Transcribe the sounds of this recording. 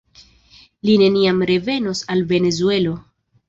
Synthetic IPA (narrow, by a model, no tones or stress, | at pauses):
line̞niamɾe̞ve̞no̞salve̞ne̞zue̞lo̞